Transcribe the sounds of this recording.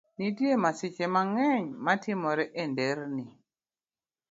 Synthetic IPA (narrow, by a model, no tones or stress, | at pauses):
nidiemasit͡ʃemaŋɛɲmatʰimɔɾɛʔendeɾni